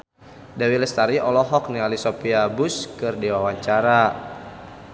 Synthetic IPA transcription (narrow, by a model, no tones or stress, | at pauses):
dawiləst̪aɾiʔɔlɔɦɔk̚nialisɔpiabuskɨrdiwawaɲt͡ʃaɾa